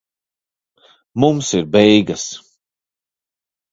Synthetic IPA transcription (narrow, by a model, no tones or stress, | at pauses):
mumsiɾbɛjɡɐs